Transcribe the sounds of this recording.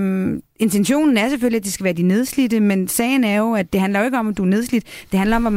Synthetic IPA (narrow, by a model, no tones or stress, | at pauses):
e̝nt͡sʰenɕo̝̰ːnn̩æɐseføl̰iæd̥isɡ̥æʋæːɐd̥ine̝ð̞ˠslid̥əmensɛ̰ːɪn̩æɐjo̝æd̥ːe̝ɦænlɐjo̝e̝ɡəɒ̽mæd̥uɐne̝ð̞ˠslid̥d̥e̝hænlɐɒ̽mʋɒm